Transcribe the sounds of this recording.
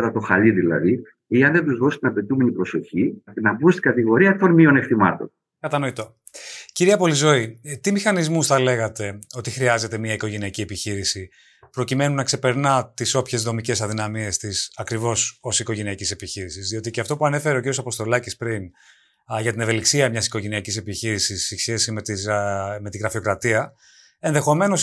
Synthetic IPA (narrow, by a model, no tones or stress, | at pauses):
t̪ɐt̪o̞xɐliðilɐ̰ði | iɐnðend̪uzðost̪inɐpe̞t̪ume̞nipɾo̞so̞çinɐpust̪i̥ɡɐt̪iɣo̞ɾiɐeft̪onmio̞neft̪imɐ̰t̪o̰n | kɐt̪ɐno̞it̪o̞ | ciɾiɐpo̞lizo̞it̪imixɐnizmusθɐle̞ɣɐt̪e̞o̞t̪ixɾiɐze̞t̪e̞miɐiko̞ʝe̞niɐcie̞piçiɾisi | pɾo̞cime̞nunːɐkse̞pe̞ɾnɐt̪iso̞pçe̞zðo̞mice̞sɐðinɐmie̞st̪isɐkɾivo̞so̞siko̞ʝe̞niɐcise̞piçiɾisizðio̞t̪iceɐft̪o̞puɐne̞fe̞ɾeo̞ciɾiosɐpo̞st̪o̞lɐcispɾin | ʝɐt̪ine̞ve̞liksiɐmɲɐsi̥ko̞ʝe̞niɐcise̞piçiɾisisisçe̞simet̪ime̞t̪iɣɾɐfio̞kɾɐt̪iɐ | e̞nðe̞xo̞me̞no̞s